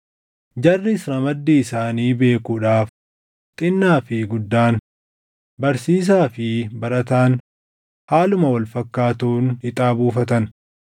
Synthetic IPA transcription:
d͡ʒɐrːɪsɾɐmɐd̪ːiːɪsaːniːbe̞ːkuːᶑaːf | t̪ʼɪnːaːfɪɡʊd̪ːaːn | bɐɾsiːs̬aːfɪbɐɾɐt̪aːn | haːlʊmɐwɐlfɐkːaːt̪uːnhɪt̪ʼaːbuːfɐt̪ɐn

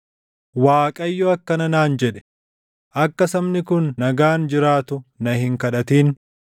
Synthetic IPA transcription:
waːkʼɐjːɔɐkːɐnɐnaːnd͡ʒɛᶑɛ̥ | ʔɐkːɐsɐmnɪkʊnːɐɡaːnd͡ʒɪɾaːt̪ʊnɐhɪŋkɐᶑɐt̪iːn

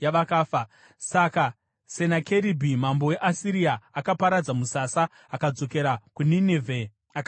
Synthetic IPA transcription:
jaʋakaːfa | saka | se̞nakeɾibʱimambo̞we̞ʔasiɾiaakapaɾad͡zamusasaː | kad͡zo̞ke̞ɾakuninevʱe | a

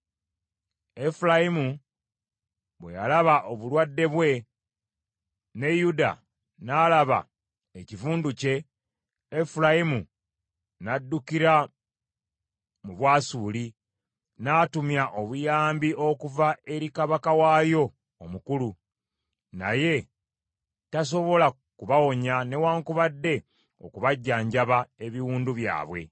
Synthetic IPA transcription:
e̞fulajimu | βwe̞̰ja̰laβaʔoβulwadːe̞βwe̞ | ne̞juda̰ | nalaβa̰ | ecivuːnduce̞ː | fulajimu | nadːukiɾa | muβwaːsuːli | naːtumjaʔo̞βujaːmbiʔokuvae̞ɾikaβakawaːjo̞ː | mukulu | na̰je̞ | tas̬o̞βo̞la | kuβawo̞ɲane̞waːŋkuβadːe̞ | o̰kuβaɟːaːɲɟaβae̞βiwuːnduβja̰ːβwe̞̰

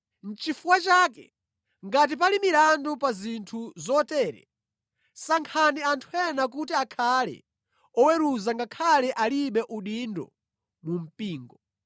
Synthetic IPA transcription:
n̩t͡ʃifuwat͡ʃaːkɛ̰ | ŋɡat̬ipalimiɾandupazintʰuzɔtɛːɾɛ̰ | saŋkʰaniantʰuɛnakutiakʰalɛ̰ | ɔwɛɾuzaŋɡakʰalɛʔaliɓɛʔuɗindɔ̰ | mum̩piːŋɡɔ

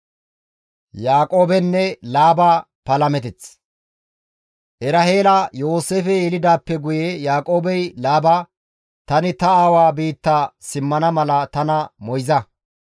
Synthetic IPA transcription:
jaːkʼo̞ːbɛnːɛlaːbaː | pɐlɐmɛt̪ɛt͡s | ʔɛɾɐɦeːlɐjo̞ːseːfɛɛlɪd̪aːpːɛɡʊjejaːkʼo̞ːbɛjlaːba | t̪ɐnɪt̪ɐaːwaːbiːt̪ːasɪmːɐnɐmɐlɐt̪ɐnɐmɔjzɐ

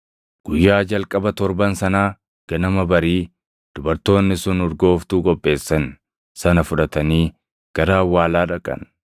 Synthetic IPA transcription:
ɡ̥ʊjːaːd͡ʒɐlkʼɐbɐt̪ɔɾbɐnsɐnaː | ɡ̥ɐnɐmɐbɐɾiː | d̪̥ʊbɐɾt̪o̞ːnːɪsʊnɔɾɡo̞ːft̪uːkʼɔpʼːe̞ːsːɐn | sɐnɐfʊᶑɐt̪ɐniː | ɡ̥ɐɾaːwːaːlaːᶑɐkʼɐ̰n

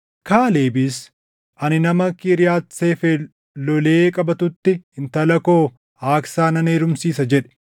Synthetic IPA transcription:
kaːleːbis | ʔɐnɪnɐmɐkɪɾɪjaːt̪seːfe | lɔleːkʼɐbɐt̪ʊt̪ːɪɪnt̪ɐlɐko̞ː | aːksaːnɐneːɾʊmsiːsɐd͡ʒɛᶑɛ̥

